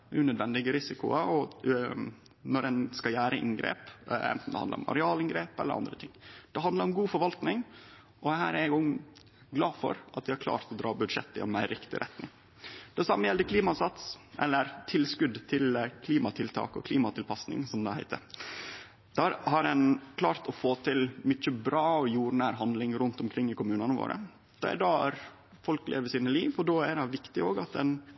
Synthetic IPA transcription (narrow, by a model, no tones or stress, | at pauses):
ʔʉnœd̪ʋɛnd̪ɪɡəɾɪsɪkʊ̰əɔ | nɔɾɛnskɑljæːɾəʔɪ̰ŋɡɾḛːpɛ̰nt̪n̩d̪ɛhɑ̰nə̰ɾɔ̰mɑ̰ɾɛɑːlɪŋɡɾeːpɛ̰lə̰ʔɑ̰nd̪ɾət̪ʰɪŋːd̪̥ɛɑnd̪ləɾɔmɡuːfɔɾʋɑlt̪nɪŋ | ʔɔhæ̰ːɾæʊŋ | ɡlɑːfɔ̰ɾʔɑt̪d̪ɪhɑɾkʰlɑ̰ːɾt̪ɔd̪ɾɑːbʉd̪ʂɛt̪ːɪɛ̰nmæɪɾɪkt̪ɪ̰ɾʔɛ̰t̪nɪŋ | d̪̥ɛsɑmːəjɛld̪əkʰliːmɑsɑt̪sʔɛlːəɾt̪ʰɪlskʉd̪t̪ʰɪlkʰliːmɑt̪ʰɪlt̪ʰɑ̰ːkɔ̰kʰliːmɑt̪ʰɪlpʰɑsnɪ̰ŋsɔmd̪ɛhæɪt̪ʰə̰ɾ | d̪̥æɾhɑɾɛnkʰlɑːɾt̪ɔfoːt̪ʰɪlmʏt͡ʃːəbɾɑːɔjuːɾnæːɾɦɑnd̪lɪŋɾʉnt̪ʊmkʰɾɪŋːɪkʊmʉːnɑnəʋo̰ːɾʔə̰ | d̪̥ɑ̰ːæ̰ɖɑɾ | fɔlklʔḛːʋəsiːnəliːʋɔɖoædɛʋɪkt̪ɪoːɡɑt̪ɛn